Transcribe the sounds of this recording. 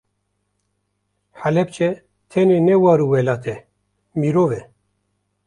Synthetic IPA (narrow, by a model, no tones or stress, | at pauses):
ħalɛp̚t͡ʃʰɛ | t̪ʰɛnenɛwɑːɾuwɛlaːt̪ʰɛ | miɾoːvɛ